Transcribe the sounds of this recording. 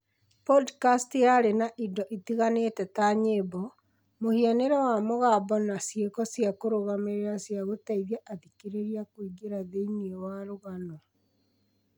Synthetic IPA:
pɔdkastjaɾenaʔindɔʔitiɣanetɛtaɲebɔ | mohianeɾawamoɣaβɔnasjekɔsjakoɾoɣameɾeɾasjaɣotaiðjaʔaðikiɾeɾiakwiɡeɾaðeiniewaɾoɣanɔ

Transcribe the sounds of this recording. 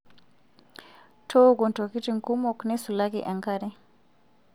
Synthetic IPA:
tʰoɡɔntokitiŋkumɔknɛsulakḭʔaŋkaɾɛ

